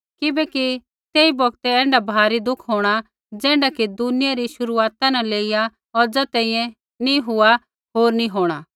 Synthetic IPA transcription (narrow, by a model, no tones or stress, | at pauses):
kɪbɛki | t̪eːibɔɡt̪ɛɛ̃ːɳɖabʱaːɾid̪ʊkʰɦoːɽ̃a | d͡zɛːɳɖakid̪ʊnɪjaɾiʃʊɾuaːt̪anɛleːija | ɔɾd͡zɐt̪ɛ̃ːĩːɛ̃ | niɦʊa | ɦoːɾnĩɦoːɽ̃a